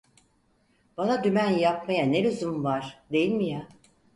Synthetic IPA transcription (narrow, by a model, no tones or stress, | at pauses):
b̥anad̪ymænjap̚majaneɾyzymvaɾ̥d̪e̞jilʲmija